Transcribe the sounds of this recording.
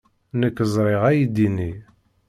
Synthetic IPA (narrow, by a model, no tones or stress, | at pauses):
nəkːəzˤɾˤeʁæjid̪ini